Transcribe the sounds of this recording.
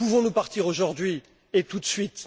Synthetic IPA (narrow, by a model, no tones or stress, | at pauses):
puvɔ̃nupaʁt̪iʁoʒuʁd̪ɥi | et̪ut̪sɥit̪